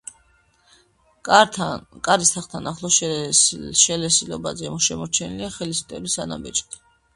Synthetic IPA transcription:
kʼaɾist̪ʰaχt̪ʰanaχlˠɔ | ʃɛlɛsilɔ̰bazɛmɔʃɛmɔɾt͡ʃʰɛniliaχɛlisu̥t̪ʼɛbisana̰bɛt͡ʃʼt̪i̥

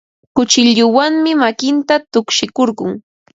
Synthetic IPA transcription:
kʊt͡ʃɪʎʊwaŋmɪmakɪnt̪at̪ʊkʃɪkoɾɢʊŋ

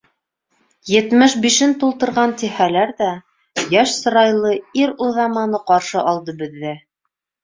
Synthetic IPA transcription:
jɘ̆t̪mɘʃbiʃɘnt̪ulˠt̪ɤ̆ɾʁɑnt̪ihælæɾðæ | jæʃsɤ̆ɾɑjlˠɤiɾuðɑmɑnɤqɑɾʃɤʔɑlˠd̪ɤbɘ̆ðːɘ

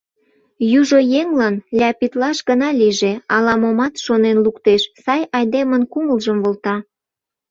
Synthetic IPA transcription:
juʒojeŋlɑnlʲɑpit̪lɑʃɡənɑliʒeɑlɑmomɑt̪ʃonenlukt̪eʃsɑjɑjd̪emənkuməlʒəmβolt̪ɑ

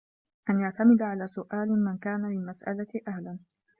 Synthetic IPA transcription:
ʔanjaʕt̪amɪd̪ʕalaːsʊʔaːlmankaːnalɪlmasʔa̰laʔahlan

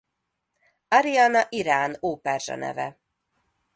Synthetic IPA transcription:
ɒɾiaːnɒʔiɾaːnoːpɛrʒɒ̰nɛ̰vɛ̰

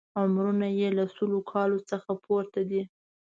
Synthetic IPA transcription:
amɾunajelasulokʰɑlot͡səxapʰoɾt̪ad̪i

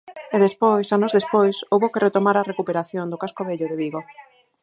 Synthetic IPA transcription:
eðespojsanʊzðespojsowβokeret̪omaɾarekupeɾaθjond̪okaskoβeʎʊðeβiɣo

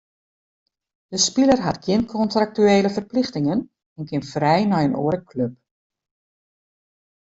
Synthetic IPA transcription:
d̥əspilərɦatɡjɪnkʰɔntrak̚tyeːləfərplɪxtɪŋən | ɛnkʰɪnfrɛjnɔjəno̰əɾəkʰløp̚

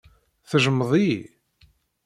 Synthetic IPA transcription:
θəʒəmːðˤi

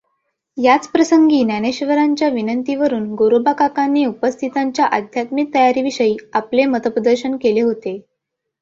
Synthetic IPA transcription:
jat͡spɾəsəŋɡiːnjaneɕʋəɾaɲt͡ɕjaʋinənt̪iʋəɾuːnɡoɾobakakanːeupəst̪ʰit̪aɲt͡ɕjaʔəd̪ʱjat̪mik̚t̪əjaɾiːʋiɕəjiːaplemət̪əpɾəd̪əɾɕənkeleɦot̪e

